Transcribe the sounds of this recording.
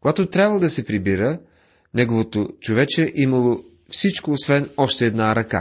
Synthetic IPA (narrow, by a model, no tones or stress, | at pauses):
koɡat̪ot̪ɾʲjabvəlˠod̪ɐsɛpɾibiɾə | nɛɡovot̪ot͡ʃovɛt͡ʃɛʔimɐlˠo | fsit͡ʃkoːsvɛnɔʃt̪ɛːd̪naɾɐka̰